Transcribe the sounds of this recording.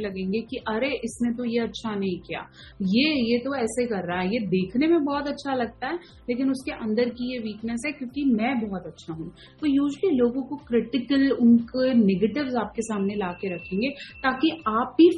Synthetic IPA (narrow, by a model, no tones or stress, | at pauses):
lɐɡẽːŋɡekiʔɐɾeʔɪsnẽt̪̬ojeɐtːʃʰanɐɦĩkija̰ː | jejet̪oɛːseikɐɾːaaɦɛjed̪eːkʰnemẽbɔːt̪ɐtːʃʰalɐɡ̚t̪aɦɛː | leːkɪnʊskeʔɐ̃nd̪əɾkijeʋiːknəs̬ɦɛkjõːkimɛ̃ːbɔːt̪ɐtːʃʰaɦũː | t̪oːjuːʒəliloːɡõkokɾɪʈɪkəlʊnkeneːɡeːʈɪʋzaːp̚kesaːmnelaːkeɾɐkʰẽːŋɡeːt̪aːkiaːp̚bi